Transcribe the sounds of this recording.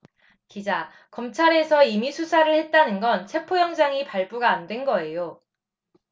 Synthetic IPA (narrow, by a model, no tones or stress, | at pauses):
kid͡ʑa | kʌmt͡ɕʰaɾe̞sʰʌimisʰusʰaɾɯɭhe̞t̚t͈anɯnɡʌnt͡ɕʰe̞pʰojʌŋd͡ʑaŋipaɭbuɡaːndwe̞nɡʌe̞jo